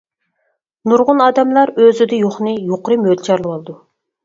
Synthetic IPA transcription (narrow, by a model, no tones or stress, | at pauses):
nuɾʁʊnɑːd̪ɛmlˠɑɾøzyd̪ɪjoχnɨjoqɾɨmød̪t͡ʃʰɑɾlˠɨwɑlˠɨd̪u